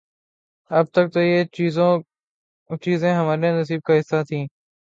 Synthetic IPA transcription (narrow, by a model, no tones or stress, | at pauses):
əb̚t̪ək̚t̪oːeːzõ | t͡ʃiːzẽːɦəmaːɾẽnəsiːb̚kaːɦɪsːaːt̪ʰĩː